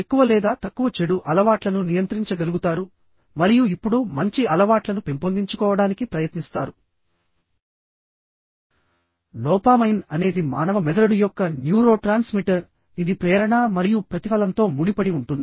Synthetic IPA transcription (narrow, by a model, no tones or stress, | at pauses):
ekːuʋɐlɛːd̪aːt̪ɐkːuʋɐt͡ʃeɽuʔɐlɐʋaːʈlɐnunijɐnt̪ɾiɲt͡ʃɐɡɐluɡut̪aːɾu | mɐɾijuipːuɽumɐɲt͡ʃiɐlɐʋaːʈlɐnupe̞mpond̪iɲt͡ʃukɔːʋɐɽaːnikipɾɐjɐt̪nist̪aːɾu | lɔːpaːmɐjnɐne̞ːd̪ima̰ːnɐʋɐmɛd̪ɐɾɐɽujɔkːɐnjuːɾo̞ːʈɾaːnsmiʈɐɾ | id̪ipɾɛːɾɐɳɐmɐɾijupɾɐt̪ipɐlɐnt̪o̞ːmuɽipɐɽiuɳʈund̪i